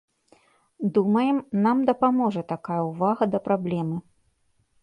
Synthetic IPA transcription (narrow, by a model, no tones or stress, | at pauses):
d̪umɐjɛmnamd̪ɐpamɔʐɐt̪akajɐuvaɣɐd̪ɐpɾablʲɛmɨ